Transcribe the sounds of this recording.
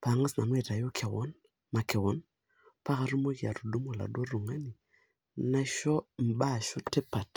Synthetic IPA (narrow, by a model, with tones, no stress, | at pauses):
pa˨ŋa˦sna˨m˦ɛ˦˨ta˨jo˦kʰɛ˨wɔ̰˦n | ma˨kɛ˨wɔ˨˦n | pa˦ɣa˨ɾu˦mo˦ka̰˨ɾu˨du˦mo˨la̰˨dɔ˦ɾu˨ŋa˦ni˨ | na˦ʃɔ˦m̩˨ba˦˨ʃɔ˦tɛ˦pa˨t